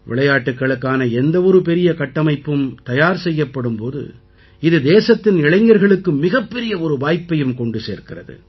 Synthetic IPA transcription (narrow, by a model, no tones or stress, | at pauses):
ʋɪ̰ɭɐjaːʈːɯkːɐɭɯkːaːnɐɛnd̪ɐɔɾɯpɛɾɪjɐkɐʈːɐmɐɪpːɯmt̪ɐjaːɾsɛjːɐpːɐɽɯmpoːðɯ̰ | ɪðɯd̪eːsɐt̪ːɪnɪɻɐɪŋɡɐɾɣɐɭɯkːɯmːɪɣɐpːɛɾɪjɐɔɾɯʋaːjpːɐjɯmkɔɳɖɯsḛːɾkɪrɐðɯ̰